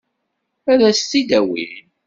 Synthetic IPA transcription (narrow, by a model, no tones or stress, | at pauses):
æɾæst̪ːid̪æwḭn